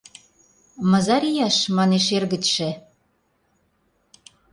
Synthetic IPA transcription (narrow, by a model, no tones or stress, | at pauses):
mɤ̆zɑɾijɑʃmɑneʃerɣə̆t͡ɕʃĕ